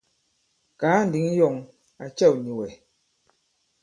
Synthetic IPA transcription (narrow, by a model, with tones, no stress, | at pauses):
kaː˨˦n̩˨di˨˦ŋ˦jɔ˨ŋ | a˨t͡ʃɛ˦˨wɲi˨wɛ˨